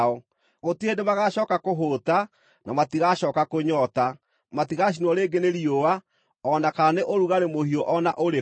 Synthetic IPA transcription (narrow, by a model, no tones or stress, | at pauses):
ɔ | ɣotiedemaɣaɕɔːkakoɦota | nʔa̰matiɣaʃɔːkakoɲɔta | matiɣaʃ̬inwɔɾeɡeneɾiowa | ɔnakaaneʔoɾuɣaɾemohiɔʔɔnaʔoɾe